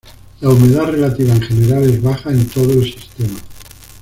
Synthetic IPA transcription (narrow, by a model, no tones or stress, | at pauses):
laume̞ðare̞lat̪iβ̞aeŋxe̞ne̞ɾale̞zβaxae̞nt̪o̞ð̞oelsist̪e̞ma